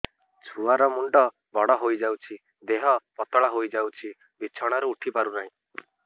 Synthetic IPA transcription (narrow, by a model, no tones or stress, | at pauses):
t͡ʃʰuaɾɔmuɳɖɔ | bʱɔɽɔɦojd͡ʒawt͡ʃʰi | d̪eɦɔpɔt̪ɔɭaɦojd͡ʒawt͡ʃʰi | bit͡ʃʰɔɽ̃aɾuuʈʰipaɾunaɦĩ